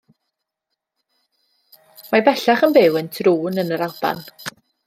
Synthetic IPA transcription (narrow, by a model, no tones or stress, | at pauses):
mabɛɬaχənbɪwəntʰruːnənəɾalˠb̥a̰n